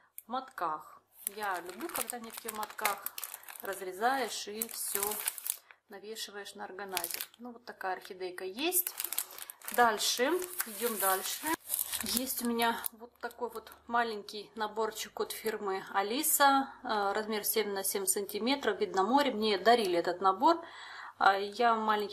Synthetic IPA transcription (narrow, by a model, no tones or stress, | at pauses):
mɐt̪kax | jalʲʊblʲukɐɡd̪anʲefkʲɪmɐt̪kaxrəzɾʲɪzajɪʂifsʲo | nɐvʲeʂɨvəjɪʂnɐɐrɡɐnazʲɪ̰nuvot̪ːɐkajɐrxʲɪd̪ejkəjesʲtʲ | d̪alʲʂɨɪdʲo̞md̪alʲʂɨjesʲtʲʊmʲɪnʲavo̞t̪ːɐko̞jvo̞t̪malʲɪnʲkʲɪjnɐbo̞rt͡ɕɪkot̪fʲirmɨɐlʲisərɐzmʲe̞rsʲemʲnɐsʲemʲt̪sɨnʲtʲɪmʲe̞t̪ɾəfvʲid̪ʲnɐmo̞ɾʲɪmnʲed̪ɐɾʲilʲɛt̪ət̪nɐbo̞r | jamalʲɪnʲkʲ